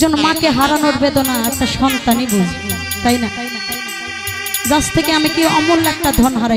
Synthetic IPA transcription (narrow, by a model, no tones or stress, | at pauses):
d͡ʑonmãkeɦaɾanoɾbed̪onaɛk̚ʈaʃɔnt̪anibu | t̪ajna | d͡ʑast̪ʰekeamikiɔmulɛk̚ʈad̪ʱɔnɦaɾaj